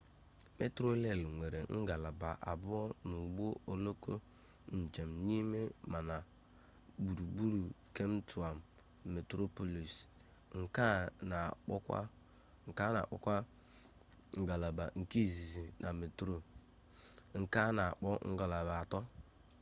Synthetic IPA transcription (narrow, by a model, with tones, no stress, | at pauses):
me˦tɾo˦le˦˨lŋʷe˨ɾe˨ŋ̩˦ɡa˨la˨ba˨ʔa̰˨bʊ˦ɔ˦nu˨ɡ͡bo˦o˨lo˦ko˦ | n̩˨d͡ʒe˨mɲi˦me˦ma˨na˨ | bu˨ɾu˨bu˦ɾu˨ | ke˦m˦tu˨a˨m | me˨tɾo˦po˦li˨s | ŋ̩˨ka˦na˨k͡pɔ˦kʷa̰˦ | ŋ̩˨ka˦na̰˨k͡pɔ̰˦kʷa˦ | ŋ̩˨ɡa˨la˨ba˨ŋ̩˨ki˦˨zi˨zi˨nʔa˨me˨tɾo˦ | ŋ̩˨ka˦na˨k͡pɔ˦ŋ̩˦ɡa˨la˨ba˨tɔ˦